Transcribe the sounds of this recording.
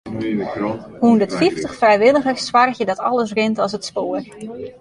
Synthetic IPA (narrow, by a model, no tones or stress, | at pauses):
hundətfiftəχfrɛjʋɪlˠəɣəswarxjədɔtɔlˠəs̬rɪntɔsətspoːər